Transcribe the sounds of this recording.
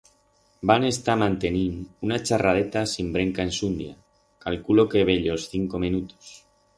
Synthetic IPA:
bane̞st̪amãnt̪e̞ninunat͡ʃaraðe̞t̪asimbɾe̞ŋkae̞nsund̪ja̰ | kalkulo̞ke̞β̞e̞ʎo̞sθiŋko̞mĩnut̪os

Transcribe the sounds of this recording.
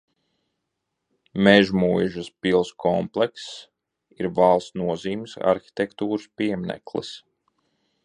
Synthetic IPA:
meʒmuːjɛʒaspilˠskʰɔmplˠeks | iɾvalˠsnuɔziːmsa̰ɾxi̥t̪ʲɛkt̪uːɾɨspiɛmnɛ̰klˠḭs

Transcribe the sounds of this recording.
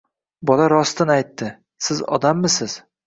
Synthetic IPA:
bɒlaɾɒst̪ʰɪnajt̪ːɪ | sɪzɒ̰d̪amːɪsɪz̥

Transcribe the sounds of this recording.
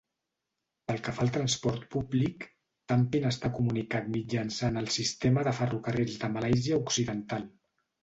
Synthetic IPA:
pəlˠkəfaəlˠt̪ɾənspɔɾt̪publik | t̪ampinəst̪akumunikat̪mid͡ʒənsanəlˠsist̪eməðəfərukərezðəməlajziəuksiðənt̪alˠ

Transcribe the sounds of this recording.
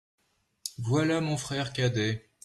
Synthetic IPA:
vwalamɔ̃fχɛʁkʲad̪ɛ

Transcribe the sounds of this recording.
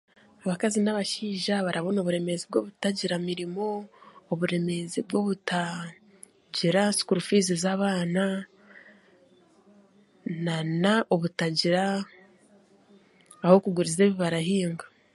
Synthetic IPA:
aβakazinaβaʃiːʒaβaɾaβo̞noβuɾe̞me̞zibɡoβutaɟiɾamiɾimo̞ːβuɾe̞me̞zib̚ɡo̞βuta | ɟiɾasi̥kuɾufiːzizaːβaːna | nanaʔoβutaɟiɾa | ho̞kuɡuɾize̞ːβiβaɾahiːŋɡa

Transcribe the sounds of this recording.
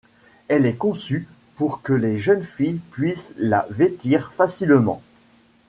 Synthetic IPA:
ɛlɛkɔ̃sy | puʁkəleʒənfijpɥisla̰vet̪iʁfasilmɑ̰̃

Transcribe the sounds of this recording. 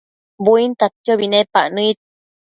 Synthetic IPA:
buint̪apt̪joβinepaʔnɨit̪̚

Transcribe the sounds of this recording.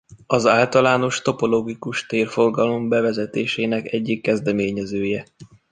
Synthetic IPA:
ɒzaːlt̪ɒlaːno̞ʃt̪o̞po̞loːɡikuʃt̪eːrfo̞rɡɒlo̞mbɛvɛzɛt̪eːʃeːnɛkɛɟːikːɛzd̪ɛmeːɲɛzøːjɛ

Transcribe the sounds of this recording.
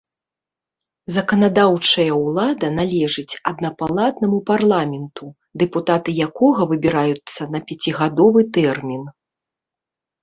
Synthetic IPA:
zɐkɐnad̪awt͡ʂɐjɐwlˠad̪ɐnalʲɛʐɨt͡sʲɐd̪nɐpalˠad̪nɐmuparlˠamʲɛnt̪u | d̪ɛput̪at̪ɨjakɔɣɐvɨbʲiɾajut̪sːɐnɐpʲat͡sʲiɣad̪ɔvɨt̪ɛrmʲin

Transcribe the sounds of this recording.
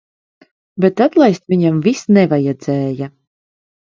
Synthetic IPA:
bet̪at̪lˠajst̪vʲiɲamvisnɛvajɛd̪zɛːja

